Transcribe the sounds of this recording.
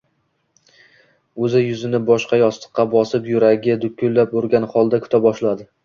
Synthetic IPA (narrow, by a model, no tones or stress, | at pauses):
ɵzɪjʊzɪnɪbɒʃqɑjɒst̪ɨ̥qʰːɑbɒsɪpjʊɾaɡʲɪd̪ʊkʰʲːʊlːapoɾɡʲanχɒlˠd̪akʲʰʊ̥t̪ʰabɒʃlad̪ɪ